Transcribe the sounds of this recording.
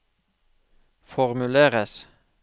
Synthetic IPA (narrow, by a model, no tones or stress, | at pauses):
fɔʁmʉleːʁəs